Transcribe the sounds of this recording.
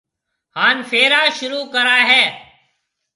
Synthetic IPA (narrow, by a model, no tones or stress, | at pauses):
haːnfʰeːɾaːʃʊɾuːkəɾaːɦɛː